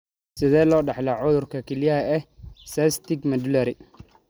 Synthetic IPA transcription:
sɪðɛːlɔːɖɑħlɐʕʊðʊrkʰɐkʰɛlɪjɐɦɐɛhsɛst̪ɪɡmɐd̪lɐɾɪ

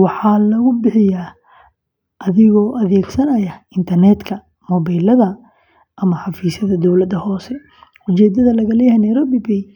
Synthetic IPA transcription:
wɑħɑːlɐɣʊbɪħɪjaː | ʔɐðɪɣɔːʔɐðɛːɡsɐnɐjɐɪnt̪ʰɐrnɛd̪kʰɐ | mɔβajlɐðɐ | ʔɐmɐħɑfiːsɐðɐd̪ɔwlɐd̪ɐhɔːsɛ | ʊt͡ʃɛːd̪ɐðɐlɐɣɐlɛjɐhɛnɐjɾɔbɪbɛj

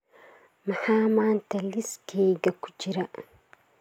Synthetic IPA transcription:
mahaːmantaliskejɡaku̥d͡ʒiɾa

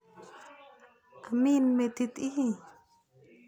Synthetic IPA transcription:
ʔaminmet̪it̪iɦi

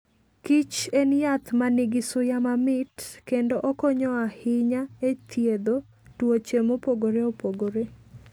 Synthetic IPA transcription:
kit͡ʃenjat̪manɪɡɪsʊjamamɪtkendoʔokɔɲɔahɪɲaet̪ʰjed̪o | twot͡ʃemopoɡoɾeopoɡoɾe

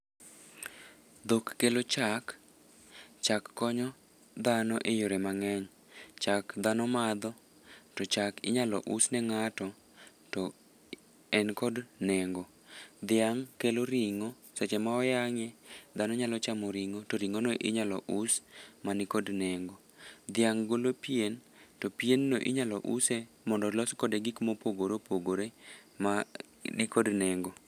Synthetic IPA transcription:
d̪okːelot͡ʃak | t͡ʃakːɔɲɔ | d̪anɔʔejoɾɛmaŋɛɲ | t͡ʃakd̪anɔmad̪ɔ | tɔt͡ʃakɪ̰ɲalɔ̰ʔusnɛŋatɔ | tɔ | ɛnkɔdnɛŋɡo | d̪ɪaŋkeloɾiŋo | sɛt͡ʃɛmaɔjaŋɛd̪anɔɲalɔt͡ʃamɔɾiŋotɔɾiŋonoʔɪ̰ɲalɔ̰ʔusmanikodnɛŋɡod̪ɪaŋɡolopien | tɔpienːoʔɪ̰ɲalɔ̰ʔusɛ | mɔndɔlɔskɔdɛɡikmopoɡoɾopoɡoɾema | dikodnɛŋɡo

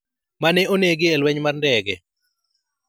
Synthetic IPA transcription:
manɛoneɡɪelwɛɲmarndɛɡɛ

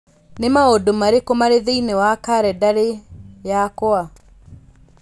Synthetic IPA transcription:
nemaodomaɾekomaɾeðeinewakaɾɛdaɾejakoa

